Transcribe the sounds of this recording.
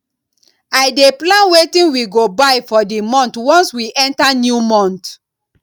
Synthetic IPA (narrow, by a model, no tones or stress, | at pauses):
aɪdeplãnwetĩnwiɡobaɪfɔdimɔ̃ntwɔ̃nswiʔɛ̃ntanjumɔ̃nt